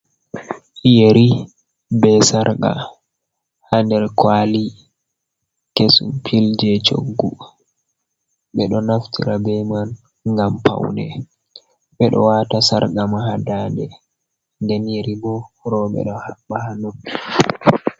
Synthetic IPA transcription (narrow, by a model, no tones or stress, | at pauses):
ʔjeɾi | bɛsaɾɡa̰ | handɛɾkwali | kesṵmpʰild͡ʒɛt͡ʃo̰ɡːu | ɓɛɗɔnaftʰiɾabɛman | ŋɡampʰa̰wnɛ̰ | ɓɛɗɔ̰watasa̰ɾɡamaɦadandɛ | ndɛnjeɾibɔɾɔɓɛ̰ɗɔhaɓːahanɔkː